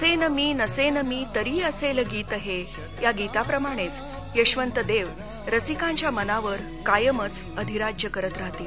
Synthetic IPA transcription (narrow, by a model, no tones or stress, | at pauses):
senəmiːnəsenəmiːt̪əɾiːəseləɡiːt̪əɦe | jaɡit̪apɾəmaɽ̃et͡s | jəɕʋənt̪əd̪eʋ | ɾəsikãɲt͡ɕjamənaʋəɾ | kajəmət͡s | əd̪ʱiɾad͡ʑjəkəɾət̪ɾaɦt̪iːl